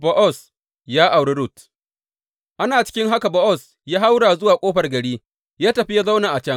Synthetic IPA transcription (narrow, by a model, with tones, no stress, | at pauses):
bɔ˦ʔɔ˦˨s | jaː˦ʔa˨wɽi˦ɾʊ˦˨t | ʔa˦naː˨t͡ʃɪ̥˦kʲɪ˦ŋɦa˦ka˨bɔ˦ʔɔ˦˨s | jaː˦ha˦wɽaː˨zʊ˦waː˨kʷʼoː˦ɸɐ˨rɡɐ˨ɽiː˦ | jaː˦tɐ˨ɸi˦ja˦za˦wna˨ʔa˨t͡ʃɐ˦ŋ